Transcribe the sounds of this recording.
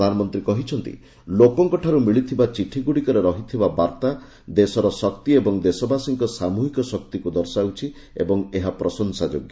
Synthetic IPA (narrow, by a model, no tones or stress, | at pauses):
anɔmɔnt̪ɾikɔɦit͡ʃʰɔnt̪ḭ | lokɔŋkɔʈʰaɾumiɭit̪ʰibat͡ʃiʈʰiɡuɽikɔɾeɾɔɦit̪ʰibabaɾt̪a | d̪esɔɾɔsɔkt̪iebɔŋd̪esɔbasiŋkɔsamuɦikɔsɔk̚t̪ikud̪ɔɾsawt͡ʃʰi | ḛbɔŋeɦapɾɔsɔnsad͡ʒoɡj